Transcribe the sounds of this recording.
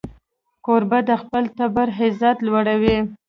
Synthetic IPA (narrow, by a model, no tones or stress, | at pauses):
koɾbad̪əxpəlt̪abaɾɦɪzat̪lwaɽawi